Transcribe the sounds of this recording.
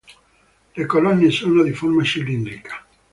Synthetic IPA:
lekolɔnːesoːnod̪iformat͡ʃilind̪ɾikʰḁ

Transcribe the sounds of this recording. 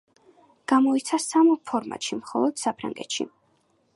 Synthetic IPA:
ɡ̥amɔit̪sʰasampʰɔɾma̰t̪ʃimχɔlˠɔd̪̥sapʰɾa̰ŋɡɛt̪ʃḭ

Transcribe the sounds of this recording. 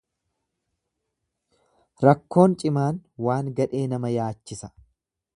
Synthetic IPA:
ɾɐkːo̞ːnt͡ʃʼɪmaːnwaːŋɡɐᶑe̞ːnɐmɐjaːt͡ʃːɪsɐ̥

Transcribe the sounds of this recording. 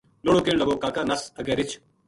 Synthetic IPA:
loːɽoːkeːɳləɡoːkaːkaːnɐsɐɡɛːɾɪt͡ʃʰ

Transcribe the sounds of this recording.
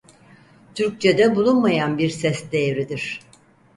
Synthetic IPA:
t̪ʰyɾk̚t͡ʃʰɛd̪ɛbulˠunmajanbiɾsɛsd̪ejɾid̪iɾ̥

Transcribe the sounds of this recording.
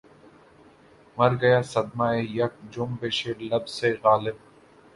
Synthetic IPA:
mɐɾɡɐjaːsɐd̪maejɐk̚d͡ʒʊmbeːʃeːlɐbz̥eɣaːlɪb̚

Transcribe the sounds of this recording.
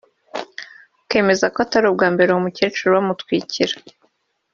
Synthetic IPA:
ke̞ːme̞zakoataɾob̚ɡaːmbe̞ɾeumucet͡ʃuɾuβamutwiːciɾa

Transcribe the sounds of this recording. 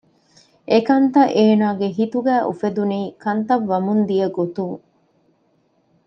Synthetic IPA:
ʔekɐnt̪ɐʔeːnaːɡeɦit̪uɡæːʔṵfed̪uniːkɐnt̪ɐʋːɐmund̪ijɐɡot̪uŋ

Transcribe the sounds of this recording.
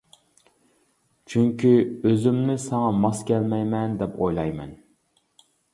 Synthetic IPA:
t͡ʃʰyŋkʲʰiøzɪmnɪsɛŋɑmɑskʲɛlmɛjmɛnd̪ɛpʰojlˠɑjmɛn

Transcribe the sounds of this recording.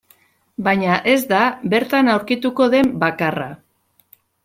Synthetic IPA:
bajɲaʔe̞zd̪abe̞ɾt̪anawɾkit̪uko̞ðe̞mbakara̰

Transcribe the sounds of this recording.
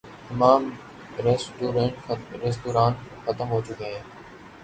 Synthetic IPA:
ɪmaːm | ɾesʈuːɾẽːɳʈɾes̬ʈ̪uːɾaːnxət̪əmɦoːt͡ʃʊkɦẽː

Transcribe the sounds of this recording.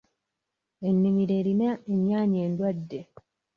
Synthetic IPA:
e̞nːimiɾe̞ːɾinaeɲjaːɲe̞ːndwadːe̞

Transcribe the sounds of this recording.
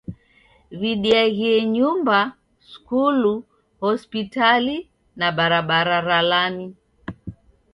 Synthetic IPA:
viɗiaɣiɛɲumba | skulu | hɔspitali | naɓaɾaɓaɾaɾalani

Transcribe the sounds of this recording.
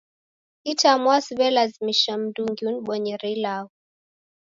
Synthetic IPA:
itamwasiβɛlazimiʃam̩duŋɡiuniɓwɔɲɛɾilau

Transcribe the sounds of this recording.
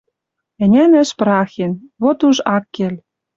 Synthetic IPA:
ɘ̆nʲænɘ̆ʃpɾɑxenβot̪uʒɑkːelʲ

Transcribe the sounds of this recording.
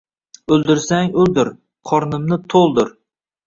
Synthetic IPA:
ɵlˠd̪ɪɾsaŋɵlˠd̪ɪɾ | qʰɒɾnɪmnɪt̪ʰolˠd̪ɪɾ

